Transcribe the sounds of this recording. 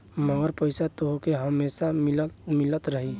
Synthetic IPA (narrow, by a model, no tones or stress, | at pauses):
məŋɡəɾpəɪsat̪oɦokeɦəmesamilmilət̪ɾəɦi